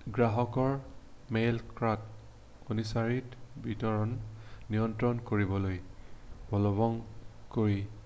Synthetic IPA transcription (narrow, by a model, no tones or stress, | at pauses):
ɡɹaɦɔkɔɹmelkɹat | onisaɹitbitɔɹɔnːijɔntɹɔnkoɹibɔlojbɔlɔβɔŋkoɹi